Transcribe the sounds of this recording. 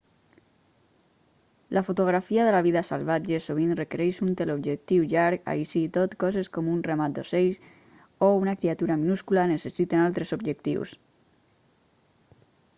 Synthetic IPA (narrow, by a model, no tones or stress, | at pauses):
lʔafot̪oɣ̞ɾafiaðəlaβiðasə̰lβad͡ʒesoβ̞inrəkəɾɛʃunt̪elobʒek̚t̪iwʎaɾka̰isit̪ot̪kɔzeskɔmunrəmat̪̚d̪oseʎs | ounakɾiat̪uɾaminuskulanəsəsit̪enalˠt̪ɾezobʒək̚t̪ḭws